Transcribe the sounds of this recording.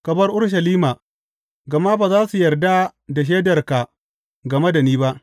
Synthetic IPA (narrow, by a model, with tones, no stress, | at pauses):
kɐ˨bɐ˦rʔʊ˦rʃ̬ɐ˨liː˦maː˨ | ɡɐ˨ma˦baː˨zaː˦su˨jɐ˨rda˦da˨ʃ̬eː˦dɐ˨rka˨ | ɡɐ˨mɐ˦da˨niː˦ba˦ʔ